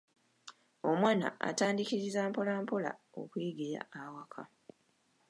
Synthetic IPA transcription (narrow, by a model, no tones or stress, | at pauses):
o̞mwaːna̰a̰taːndikiɾizaːmpolaːmpola̰o̞̰kwiːɡeja̰awakʰa